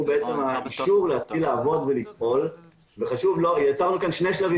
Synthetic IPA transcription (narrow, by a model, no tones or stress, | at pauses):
beet͡se̞maʔiʃuʁlehat̪χilaːvo̞d̪velifʔo̞l | veχaʃuvlo̞jat͡saʁnukanʃne̞jʃlavi